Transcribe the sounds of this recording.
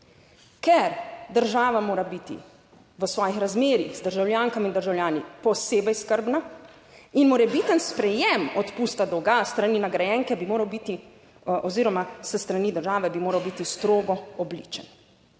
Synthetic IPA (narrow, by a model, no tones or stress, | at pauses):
kɛɾd̪əɾʒaːʋamoːɾabit̪ḭ | ʋəsʋɔːjixɾazmeːɾixzd̪əɾʒawljaːŋkamind̪əɾʒawlʲjaːnipɔseːbɛjskəɾbna | inmɔɾɛbiːt̪ənspɾɛjɛmɔt̪puːst̪ad̪ɔɡast̪ɾaninaɡɾajɛŋkɛbimoːɾawbiːt̪i | ʔɔziːɾɔmasəst̪ɾaniːd̪əɾʒaːʋɛbimoːɾawbit̪ist̪ɾoːɡɔɔblḭːt͡ʃən